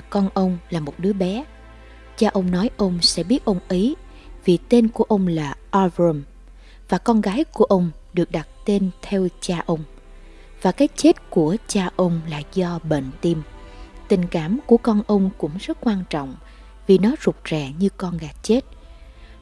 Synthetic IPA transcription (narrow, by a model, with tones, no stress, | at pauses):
kɔ˧nʔə˧wŋ͡mlaː˨˩mo˨˩t̚ɗɨ˨˦əɓɛ˨˦ | t͡ɕaː˧ʔə˧wŋ͡mnɔ˨˦jʔə˧wŋ͡msɛ̰˧˥ɓi˦˥ət̚ʔə˧wŋ͡mʔi˨˦ | vi˨˩t̪e˧nku˧˩əʔə˧wŋ͡mlaː˨˩ʔa˧vɹə˧m | vaː˨˩kɔ˧nɣaː˨˦jku˧˩əʔə˧wŋ͡m | ɗɨ˨˩ək̚ɗa˨˩t̚t̪e˧nt̪ʰɛ˧wt͡ɕaː˧ʔə˧wŋ͡m | vaː˨˩kaː˨˦jt͡ɕe˦˥t̚ku˧˩ət͡ɕaː˧ʔə˧wŋ͡mla̰ː˨˩zɔ˧ɓḛ˧˨nt̪i˧mt̪ï˨˩ŋ̟kaː˧˩mku˧˩əkɔ˧nʔə˧wŋ͡mkʊ̰˧˥ŋ͡mzə˦˥t̚kwaː˧nt͡ɕɔ̰˧˨wŋ͡m | vi˨˩nɔ˨˦zʊ˨˩k͡p̚t͡ɕɛ˧˨˩ɲɨ˧kɔ˧nɣaː˨˦jt͡ɕe˦˥t̚